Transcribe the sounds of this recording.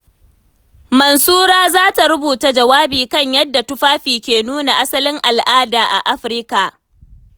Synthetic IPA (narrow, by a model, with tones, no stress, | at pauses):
mɐ˨nsuː˦ɾaː˦zaː˦ta˨ɾʊ˦buː˨ta˦d͡ʒɐ˨waː˦biː˨kɐ˦˨ɲjɐ˦dːa˨tʊ˦ɸaː˦ɸiː˨kʲeː˨nuː˦na˨ʔa˦sɐ˦lɪ˦ŋʔa˨lʔaː˦daː˨ʔa̰˨ʔa˦ɸɾɪ˦ka˨ʔ